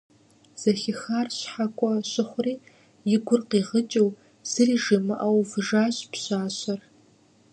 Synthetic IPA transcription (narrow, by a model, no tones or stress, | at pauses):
z̥ɐɬɪxaːrɕħakʷʼɔɕɪχʷʊriː | jɪɡʷʊrqiːʁət͡ʃʼɐw | z̥ɨriʒimɨʔɐwvɨʒaːɕʼpɕaːɕɐr